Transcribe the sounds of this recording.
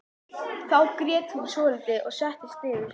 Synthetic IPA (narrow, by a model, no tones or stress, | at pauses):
θawkɾjɛːt̪hunsoːlt̪ɪʔɔɣsɛht̪ɪst̪ɪːðɪ